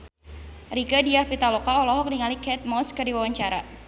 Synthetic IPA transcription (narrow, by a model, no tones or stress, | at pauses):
rikadiahpit̪alɔkaɔlɔɦɔk̚niŋalikɛt̪̚mɔskɨrdiwawaɲt͡ʃaɾa